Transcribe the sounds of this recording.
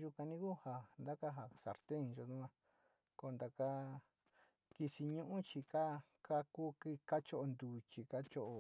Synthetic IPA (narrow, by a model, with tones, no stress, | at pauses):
ʒu˧ka˧nĩ˧˦ku˦ha˧nd̪a˦ka˦ɦa˨sa̰˨ɾt̪e˦ĩ˧ʒo˧nũ˦ã˧ | ko˧nd̪a˧ka˦ | ki˧si˧ɲũ˦ʔũ˦t͡ʃi˧ka˦ | ka˦ku˦ki˧ka˦t͡ʃo˦ʔo˧nd̪uː˨t͡ʃi˧ka˦t͡ʃo˦ʔo˧